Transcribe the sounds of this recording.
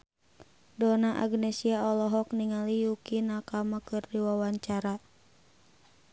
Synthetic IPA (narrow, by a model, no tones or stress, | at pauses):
dɔnaʔa̰ɡnɛsiaɔlɔɦɔkniŋalijukinakamakɨrdiwawaɲt͡ʃaɾa